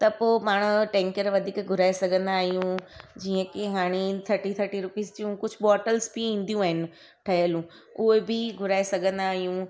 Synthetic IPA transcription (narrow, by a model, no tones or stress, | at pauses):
t̪ɐpoːmaːɽ̃ʊʈɛ̃ːŋkəɾʋɐd̪ʱiːkɡʱʊɾaːesɐɡʱə̃nd̪aːɦijũd͡ʑiːə̃kɪɦaːɽ̃it̪ʰɐɾʈit̪ʰəɐɾʈiɾʊpiːzd͡ʑijũkʊd͡ʑʱʊɓɔːʈəlzbiĩːn̆d̪jũaːɦɪnɪ̆ | ʈʰɐɦəlũ | ʊebʱɪɡʱʊɾaːesɐɡʱə̃nd̪aːɦijũ